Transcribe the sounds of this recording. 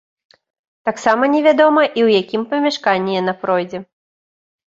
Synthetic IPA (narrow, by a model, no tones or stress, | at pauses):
t̪aksamɐnʲɛvʲad̪ɔmɐʔiwjakʲimpɐmʲaʂkanʲːɛjɛnapɾɔjd͡zʲɛ